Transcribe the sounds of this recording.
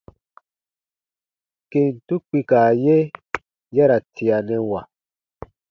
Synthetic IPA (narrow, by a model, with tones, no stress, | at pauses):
ke˨n˨tu˦k͡pi˧kaː˨je˦ | ja˦ɾa˨tʰi˨a˨nɛ̃˨wa˨